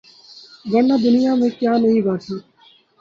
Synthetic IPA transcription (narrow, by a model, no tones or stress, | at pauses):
ʋənːaːd̪ʊnɪjaːmẽːkjaːnəɦĩːʋaːt̪ʰiː